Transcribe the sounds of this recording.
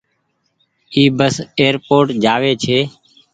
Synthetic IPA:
iːbəseːɾpoːʈd͡ʒaːʋeːt͡ʃʰeː

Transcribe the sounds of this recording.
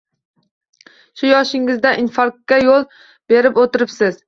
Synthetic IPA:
ʃʊjɒʃɪŋɪzd̪aʔinfaɾkkʲːajolˠ | b̥e̞ɾɪpot̪ɪɾɪpsɪz̥

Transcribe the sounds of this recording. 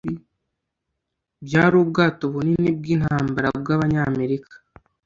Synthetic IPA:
bjaːɾubɡaːto̞βuninib̚ɡiːn̥haːmbaɾabɡaβaɲame̞ɾikḁ

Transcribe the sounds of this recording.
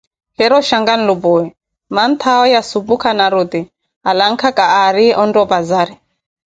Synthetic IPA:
bɛɾɔʃaŋɡan̩lubuɛ | mant̪ʰaɔjasubukʰanaɾut̪i | alaŋ̩kʰakʼaːɾiɔndɔbazaːɾi

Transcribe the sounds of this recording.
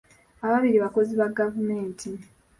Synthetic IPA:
aβaβiɾiβako̞ziβaɡavume̞ːntʰi

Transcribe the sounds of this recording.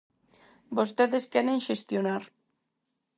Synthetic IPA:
bost̪eðeskɛɾenʃest̪jonaɾ

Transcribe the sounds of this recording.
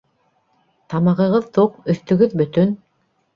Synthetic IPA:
t̪ɑmɑʁɤ̆ʁɤðt̪uqɵ̆θt̪ɵ̆ɡɵðbɵ̆t̪ɵn

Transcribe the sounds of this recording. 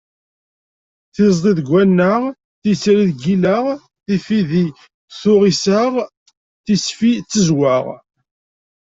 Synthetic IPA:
θɪzˤd̪ˤiðəɡʷːænːəʁ | θisɾiðɡilæʁ | θifiði | θʊʁisaʁ | θisfit͡sːəzwaʁ

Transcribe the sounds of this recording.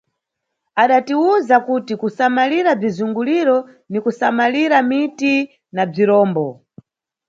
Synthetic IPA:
aɗatiuzakutikusamaliɾab͡ʐizuŋɡuliɾɔ | nikusamaliɾamiti | nab͡ʐiɾɔːmbɔ

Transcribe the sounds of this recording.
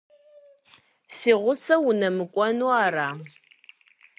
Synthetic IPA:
siːʁʷʊt͡sʰɐwunɐmɨkʷʼɔnuːaːɾaː

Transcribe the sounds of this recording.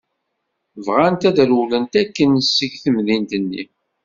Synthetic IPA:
vʁant̪æðɾulənt̪ækːənsːəʝθəmðint̪ənːḭ

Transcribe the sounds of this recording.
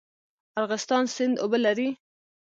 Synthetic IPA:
aɾɣɪst̪ɑnsɪnd̪obəlaɾi

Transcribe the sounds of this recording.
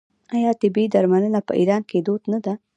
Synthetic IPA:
ajɑt̪ɪbid̪aɾmanənapə̰ʔḭɾɑnked̪od̪nad̪a

